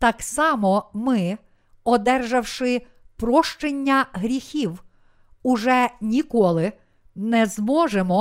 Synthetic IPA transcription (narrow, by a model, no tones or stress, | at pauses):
t̪ɑksɑmɔmɪ | ɔd̪ɛrʒɐwʃɪ | pɾɔʃt͡ʃenʲːɐɦɾʲixʲiw | ʊʒɛnʲikɔlˠɪ | nɛzmɔʒemɔ